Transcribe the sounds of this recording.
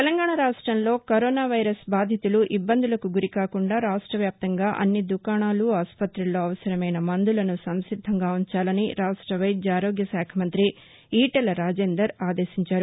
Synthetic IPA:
t̪elɐŋɡaːɳɐɾaːʂʈɾɐmlo̞ːkoɾoːnaːʋɐjɾɐsbaːd̪ʱjɐt̪uluʔibːɐnd̪ʱulɐkuɡuɾikaːkuɳɖaːɾaːʂʈɾɐʋjaːp̚t̪ɐŋɡaːʔɐ̰nːid̪ukaːɳaːluaːspɐt̪ɾilːo̞ːɐʋɐsɐɾɐmɐjnɐmɐnd̪ulɐnusɐmsid̪ʱːɐŋɡaːuɲt͡ʃaːlɐniɾaːʂʈɾɐʋɐjd͡ʒaːɾo̞ːɡjɐsaːkʰɐmɐnt̪ɾi | iːʈɐlɾaːd͡ʒeːnd̪ɐɾaːd̪e̞ːʃiɲt͡ʃaːɾu

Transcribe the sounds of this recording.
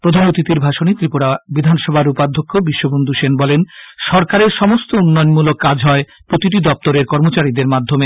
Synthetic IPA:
pɾod̪ʱanot̪it̪iɾbʱaʃonit̪ɾipoɽabid̪ʱanʃɔbʱaɾupad̪ʱokːobiʃːobond̪ʱuʃenbɔlenʃɔɾkaɾeɾʃɔmost̪ounːɔenmulokːad͡ʑʱɦɔe | pɾot̪iʈ̬id̪ɔp̚t̪oɾeɾkɔɾmot͡ɕaɾid̪eɾmad̪ʱːome

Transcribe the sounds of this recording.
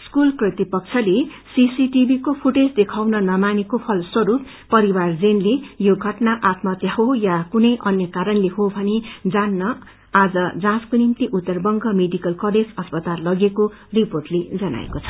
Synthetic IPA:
skulkrʌt̪ipʌk̚t͡sʰʌle | sisiʈibʱikopʰuʈed͡zd̪ekʰawnʌnʌmanekopʰʌlswʌɾupː | ʌɾiward͡zenlejoɡʱʌʈnaʔat̪mʌt̪jaɦojakunʌjʔʌnjʌkaɾʌnleɦobʱʌned͡zanːʌ | ad͡zʌd͡zãskonimt̪iʔut̪ːʌrbʌŋɡʱʌmeɖikʌlkʌled͡zʌspʌt̪alːʌɡekoriporʈled͡zʌna̰ḛkot͡sʰʌ̥

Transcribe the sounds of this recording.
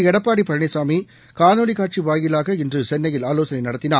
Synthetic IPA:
ɛɽɐpːaːɽipɐɾɐɳɪsaːmi | kaːnoːɽikaːʈ̚t͡ʃiʋaːjɪlaːɣɐɪndrɯsɛnːɐjɪlaːloːsɐnɐɪnɐɽɐt̪ːɪnaː

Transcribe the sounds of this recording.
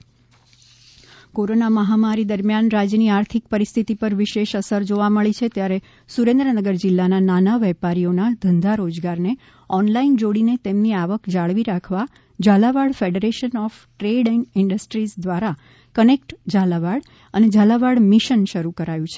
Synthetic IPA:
koɾonaməɦamaɾid̪əɾmjanɾad͡ʒjəniaɾt̪ʰik̚pəɾist̪ʰit̪ipəɾʋɪʃeʃəsəɾd͡ʒoʋaməɭit͡ʃʰet̪jaɾe | suɾẽnd̪ɾənəɡəɾd͡ʒɪlːanananaʋɛpaɾijonad̪ʱənd̪ʱaɾod͡ʒɡaɾne | ɔnlaind͡ʒoɽinet̪emniaʋəkd͡ʒaɭʋiɾakʰʋa | d͡ʒalaʋaɽfeɖeɾeʃənɔf | ʈɾeɖeŋɡɪɳɖəsʈɾisd̪ʋaɾa | kənekʈd͡ʒalaʋaɽ | əned͡ʒalaʋaɽmiʃənʃəɾukəɾajũt͡ʃʰe̥

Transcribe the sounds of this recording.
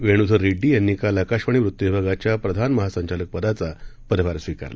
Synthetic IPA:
ʋeɽ̃ud̪ʱəɾːeɖːiːjenːikalakaɕʋəɳ̃iʋɾut̪ːjebʱaɡat͡ɕjapɾəd̪ʱanməɦasəɲt͡ɕalək̚pəd̪at͡sapəɾʋaɾsʋika̰ɾla̰

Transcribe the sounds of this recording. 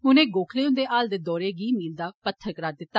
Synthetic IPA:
ɦʊnẽːɡoːkʰleːʊ̃nd̪eːʔaːld̪eːd̪ɔːɾeːɡiːmiːld̪aːpət̪ʰːəɾkəɾaːd̪ɪt̪ːaː

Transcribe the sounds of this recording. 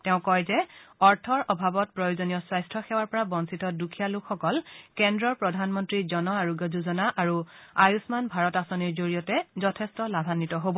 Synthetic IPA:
tɛʊ̃kɔjzɛɔɹtʰɔɹʔɔbʱabɔt̚pɹɔjozonijɔswajstʰɔxɛwaɹpɔɹabɔnsitɔdukʰijalukʰxɔkɔlkɛndɹɔɹpɹɔdʱanmɔntɹizɔnɔaɹuɡəzuzɔnaʔaɹuajusmanbʱaɹɔtasɔniɹzoɹijɔtɛzɔtʰɛstɔlabʱanːitɔɦobɔ

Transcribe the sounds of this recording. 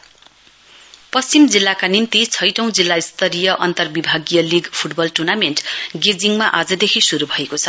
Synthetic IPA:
pʌst͡simd͡zilːakanint̪it͡sʰʌjʈʌ̃w̃d͡zilːaist̪ʌɾijʌʔʌnt̪ʌrbibʱaɡijʌliɡpʰuʈbʌlʈurnamenʈɡed͡ziŋmaʔad͡zʌd̪ekʰisuɾubʱʌekot͡sʰʌ

